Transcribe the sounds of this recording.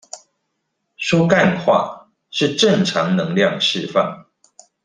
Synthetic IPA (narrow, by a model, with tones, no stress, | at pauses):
ʂɔ˥ka˥˧nxwa̰˥˨ | ʂɻ̩˥˨ʈ͡ʂə˥˨ŋʈ͡ʂʰɑ˨˦ŋnɤ˧˦ŋljɑ˥˨ŋʂɻ̩˥˨fa̰˥˨˩ŋ